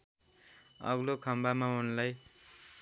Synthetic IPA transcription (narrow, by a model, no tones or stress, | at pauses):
ʌ̰ɡlokʰʌmbamaɦunlaj